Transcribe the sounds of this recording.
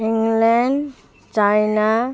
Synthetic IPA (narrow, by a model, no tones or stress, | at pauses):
iŋɡlɛɳɖ | t͡ʃajna